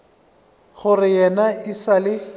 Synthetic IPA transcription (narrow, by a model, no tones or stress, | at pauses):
ɣʊrɪjɛnaɪsalɪ